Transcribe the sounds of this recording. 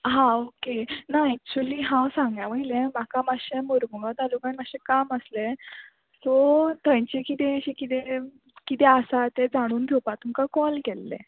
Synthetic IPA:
ɦãokenaɛk̚t͡ɕuliːɦãwsãŋɡjaʋəilẽm̤akamaɕemoɾɡunat̪alukanməɕekaməsle | tɔt̪əjt͡ɕikit̪eɕikit̪e | kit̪eəsat̪ed͡zaɽ̃uːnd̪ʰʱewpat̪umkakɔlkɛlːḛ

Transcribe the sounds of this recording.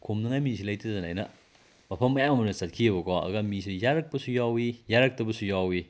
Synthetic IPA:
kʰumnɐŋajmis̬ʰilɐjtɐzanajnɐ | mɐpʰɐmːɐjamɐmɐnɐsat̚kʰiɐbɐkʰɔɐ̰ɡamis̬ʰijaɾɐk̚pɐsujawijaɾɐk̚tɐbɐsujawi

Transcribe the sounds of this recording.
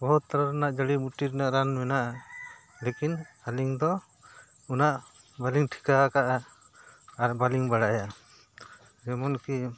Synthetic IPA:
bɔɦut̪ːaɾaɾnaʔd͡ʒəɽimuʈiɾɛnaʔɾanmɛnaʔa | lekinaliŋd̪ɔ | ɔnaʔ | baliŋʈʰi̥kakaʔaː | ɾbaliŋbaɽaja | d͡ʒɛmɔnki

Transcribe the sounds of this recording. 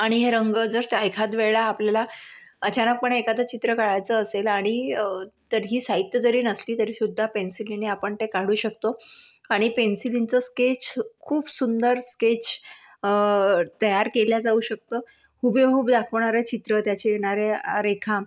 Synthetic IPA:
aɽ̃iɦeɾəŋɡəd͡zəɾt̪ajkʰat̪ʋeɭaːpljalaət͡ɕanək̚pəɳekad̪ət͡ɕit̪ɾəkaɭajt͡səːselaɽ̃it̪əɾɦiːsait̪jəd͡zəɾiːnəsliːt̪əɾiːsud̪ʱːapensiliniapəɳt̪ekaɽuːɕək̚t̪o | aɽ̃ipensilint͡səsket͡ɕkʰuːbsund̪əɾsket͡ɕ | t̪əjaɾkeljad͡zauːɕək̚t̪oː | kʰubekuːbd̪akʰəʋɳaɾet͡ɕit̪ɾət̪jat͡ɕejeɽ̃aɾeaɾekʰã

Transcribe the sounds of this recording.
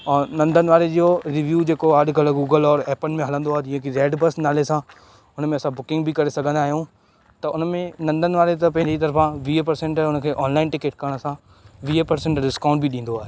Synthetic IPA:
ɔːnɐ̃nd̪ʱənɪ̆ʋaːɾed͡ʑoɾiʋjuːd͡ʑeːkoɐɗɡɐləɡuːɡəlɔːɾɛːpənɪ̆mẽɦɐlə̃nd̪oaːɦed͡ʑɪɦə̃kʰiɾeːɖbɐsnaːlesã | ʊnmẽɐsãbʊkɪ̃ŋɡbʱikɐɾesɐɡʱə̃nd̪aːɦijũ | t̪ɐʊnmẽnɐ̃nd̪ʱənɪ̆ʋaːɾet̪ɐpɐ̃ɪ̃ɲit̪̬ɐɾfãʋiːepɐɾsẽɳʈʊnəkʰeːʔɔːnlaːɪnʈɪkeːʈ̚kɐɾəɽ̃sã | ʋiːepɐɾsẽɳʈɖɪskãːʊ̃ɳʈbiɗĩːn̆d̪oaːɦeː

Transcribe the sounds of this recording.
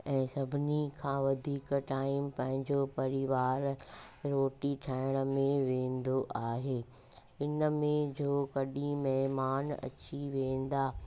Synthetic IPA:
ɛ̃ːsɐbʱɪnikʰãːʋɐd̪ʱiːkʈaːɪmpɐ̃ɦɪ̃ɲd͡ʑopɐɾɪʋaːɾ | ɾoːʈiʈʰaːɪɽ̃ə̆mẽʋẽːnd̪oʔaːɦeː | ɪnəmẽd͡ʑoːkɐɗĩmɐɦmaːnɐ̰t͡ɕiʋẽːnd̪aː

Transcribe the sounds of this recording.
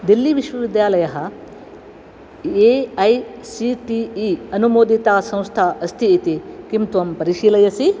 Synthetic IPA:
d̪ilːiʋiʃʋɐʋid̪jaːlɐjɐɦɐ̆ | eɐjsiʈiːɐnumoːd̪it̪aːsɐ̃w̃st̪ʰaːʔɐst̪ʰiːt̪ikimt̪ʋɐmpɐɾiʃiːlɐjɐsi

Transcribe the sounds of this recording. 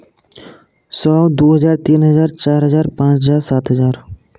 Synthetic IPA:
sɔd̪uɦʌd͡ʑaɾt̪inɦʌd͡ʑaɾt͡ɕaɾɦəd͡ʑaɾpãt͡ɕɦəd͡ʑaɾsat̪ɦəd͡ʑaɾ

